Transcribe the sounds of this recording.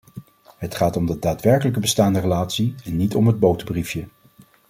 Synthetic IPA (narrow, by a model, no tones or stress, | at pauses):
ɦətχaːtɔmdədaːtʋɛɹkələk̬əbəstaːndərəlaːtsiɛnːitɔmɦəd̚bowtəbrifjə